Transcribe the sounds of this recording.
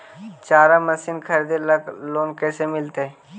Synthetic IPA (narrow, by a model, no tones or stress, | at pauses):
t͡ʃaːɾamɐsiːnkʰɐɾd̪eləkloːnkɛːsemɪlt̪eɛ